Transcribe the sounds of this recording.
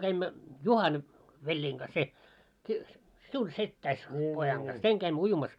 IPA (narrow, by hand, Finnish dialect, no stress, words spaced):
kæimːæ juhɑn ʋelʲːiːŋ kɑs se si siun setːæis pojɑŋ ɡ̊ɑs seŋ kæimːø ujumɑs